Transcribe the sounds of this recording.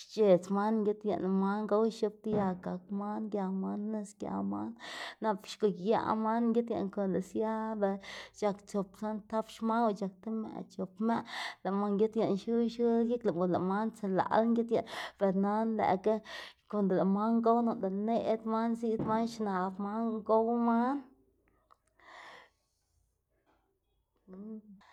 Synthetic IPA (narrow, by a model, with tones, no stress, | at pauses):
ʃt͡ʃe˨t͡sma˦nŋɡʲe˦t̪ja̰˧ʔn˧ma˦nɡa˦wʃu˧p̚t̪ja˧ka˨k̚ma˦nɡja˧ma˦nːe˦sɡʲja̰˧ma˦nːa˧pʃko˧˨kja̰˧ʔma˦nŋɡʲe˦t̪ja̰˧˨nko˧˨nla˨sja˦ba˧t͡ʃa˧kt͡ʃo˨psa˦nt̪a˦pʃma˦wt͡ʃa˨k̚t̪a˦ma̰˧ʔt͡ʃo˨pma˦ʔla˨ma˧˦ŋɡʲe˦t̪ja˨ʔnʃu˦ʃɨ˦ji˦kla˨o˨la˨ma˦nt͡sa˧˨la̰˨lŋɡʲe˦t̪ja˨pe˨ɾna˦nlæ̰˨ka˦ke˧˨nd̪o˨la˨ma˦ŋɡo˦wno˨d̪a˨ne˦ʔd̪ma˦nsi˦d̪ma˦nʃna˨bma˦ŋŋɡo˦wma˦n